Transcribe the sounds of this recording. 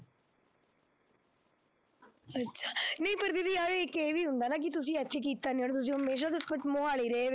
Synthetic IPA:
ɐtːʃʰaːnɐĩpɐɾd̪ɪd̪iaːɾeekeːʋiːɦʊ̃nd̪aːnaːk̬it̪ʊs̬ĩɛt̪ʰːek̬iːt̪ːaːnĩɦoɽt̪ʊs̬ĩɦəmeːʃ̬aːt̪ʊət͡ʃmoaːɭiːɾeeʋe

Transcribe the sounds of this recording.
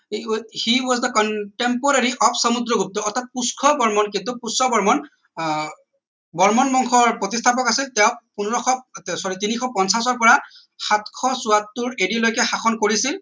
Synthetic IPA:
hiɔsdɔkɔntempɔɹaɹiʔɔpʰsɔmud̪ɹɔɡup̚t̪ɔːt̪ʰat̚puskʰɔbɔɹmɔnkint̪upuskʰɔbɔɹmɔn | bɔɹmɔnmɔŋkʰɔɹpɹotistʰapɔkasiltɛʊ̃punɔɹɔkʰɔtsɔɹitinixʰɔpɔnsasɔɹpɔɹa | xatkʰɔsuatːuɹedilojkɛxaxʰɔnkoɹisil

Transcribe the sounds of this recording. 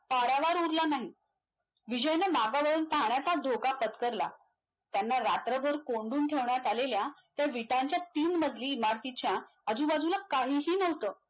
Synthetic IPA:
paɾaʋaɾuɾlanaɦi | ʋid͡ʑəjnəmaɡaʋəɭuːnt̪ʰaɳjat͡sad̪ʱokapət̪kəɾla̰ | t̪janːaɾat̪ɾəbʱəɾkoɳɖuːnʈʰeʋɳjat̪aleljat̪jaʋiʈaɲt͡ɕjat̪iːnməd͡zʱliːmaɽk̪it͡ɕja | əd͡zuːbad͡zulakaɦiːɦiːnəʋt̪əː

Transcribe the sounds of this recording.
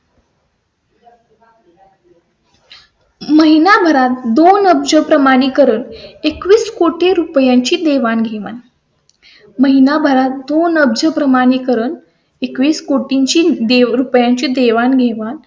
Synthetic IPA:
məɦinabʱəɾat̪d̪onəb̚d͡ʑəpɾəmaɽ̃iːkəɾəːnekʋiːskoʈeɾupjãɲt͡ɕiːd̪eʋanɡʱeʋa̰n | məɦinabʱəɾat̪̚d̪onəb̚d͡ʑəpɾəmaɽiːkəɾəːn | ekʋiːskoʈiɲt͡ɕiːd̪eɾupjãɲt͡ɕiːd̪eʋanɡʱeʋan

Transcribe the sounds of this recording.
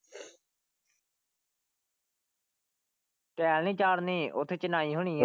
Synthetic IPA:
pɛːlnĩːt͡ʃaːɽniːʔʊt̪ʰːet͡ʃənaːiːɦʊɳiː

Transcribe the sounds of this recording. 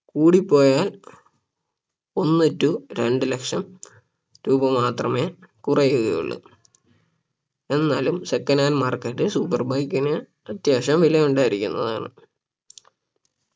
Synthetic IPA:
kuːɽipːo̞ːjaːl | o̞nːitːuɾe̞ɳɖɨlekʂɐm | ɾuːbɐmaːt̪rɐme̞ːkurɐjuɣɐ̰jṵɭːṵ | e̞nːaːlumsekːɐnaːnmaːrkɐʈːɨsupːɐrbajkːinɐ | ɐt̪jaːʂɐmʋilɐjuɳɖaːjiɾikʲːunːɐða̰ːɳɨ

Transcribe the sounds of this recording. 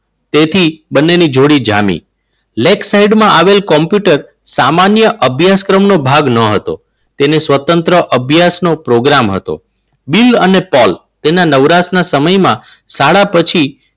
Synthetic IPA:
t̪et̪ʰibənːenid͡ʒʱoɽid͡ʒa̰mḭ̃ | leksaiɖmãʔaʋelkɔmpjuʈəɾsamanjəʔəbʱjaskɾəmnobʱaɡnəɦət̪o̰ | t̪enesʋət̪ənt̪ɾəʔəbʱjasnopɾoɡɾamɦə̰t̪o̰ | bilənepɔlt̪enanəʋɾasnasəməjmã | saɭapət͡ʃʰi

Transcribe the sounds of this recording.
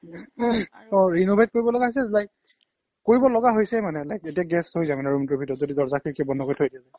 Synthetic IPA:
ɔ̃ɹinobʱet̚koɹibɔlɔɡaɦosɛlajk | koɹibɔlɔɡaɦojsɛmanɛlajketijaɡɛshojzamanɛɹumtɔbʱitɔtzodizɔɹzakʰikɛbɔndɔkoɹitʰojdiaza

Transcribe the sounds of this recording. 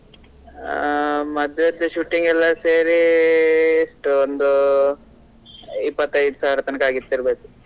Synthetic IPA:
mɐd̪ɾɐt̪ːɐʃuːʈiŋɡɛlːɐseːɾi | ʂʈond̪u | ipːɐt̪ːɐjɖ̪usaːɾɐt̪ɐnkaːɡit̪ːiɾbeːk̪u

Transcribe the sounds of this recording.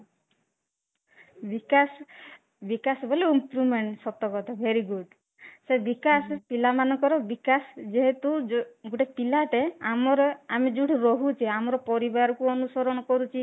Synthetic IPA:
bikas | bikasɔboleimpɾumeɳʈsɔt̪ɔkɔt̪abʱeɾiɡuɖ | sebikasɔpilamanɔŋkɔɾɔbikasd͡ʒeɦet̪uɡuʈepilaʈeamɔɾɔamed͡ʒuɽʰɔɾɔɦut͡ʃʰiamɔɾɔpɔɾibaɾɔkuɔnusɔɾɔɽ̃ɔkɔɾut͡ʃʰi

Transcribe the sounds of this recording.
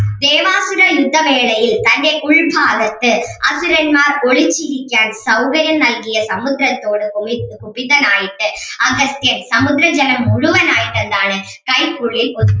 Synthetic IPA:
d̪eːʋaːsɯɾɐjʊd̪ːɐʋeːɭɐjɪlt̪ɐnːɐkʊɻbʱaːɣɐt̪ːɯʔɐsɯɾɐnmaːɾɔɭɪt͡ʃːɪɾɪkːjaːnsɐʊɣɐɾjɐnnɐlɡɪjɐsɐmʊðɾɐt̪ːoːɽɯkʊbɪnɐnaːjɪʈːɯɐɣɐst̪ɪjɐnsɐmʊðɾɐd͡ʒɐnɐmʊɻʊʋɐnaːjɪʈːɐnd̪aːnɯ | kɐɪkːʊɻɪlpɔð

